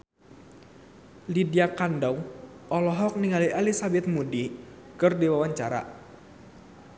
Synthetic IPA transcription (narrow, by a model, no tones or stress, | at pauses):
lidiakandawʔɔlɔɦɔk̚niŋaliʔalisabɛt̪̚mudi | kɨrdiwawaɲt͡ʃaɾa̰